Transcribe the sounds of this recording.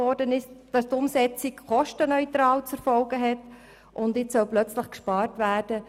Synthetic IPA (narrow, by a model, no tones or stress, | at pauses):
ɔɾdənɪsd̥ɑstʊmsɛt͡sikχɔʃtənœʏtɾɑːlt͡sɛɾfɔlɡəɦɛt | ʔʊndɪt͡ssœlplœt͡sləχkʃpɑːrtʋæːrd̥ə